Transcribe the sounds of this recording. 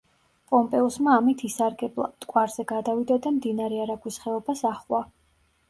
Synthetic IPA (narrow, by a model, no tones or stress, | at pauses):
pʼɔmpʼɛɔsmaːmit̪ʰisaɾɡɛblˠa̰t̪ʼkʼwaɾz̥ɛɡad̪avid̪ad̪amd̪inaɾɛaɾaɡwisχɛɔbasaχwa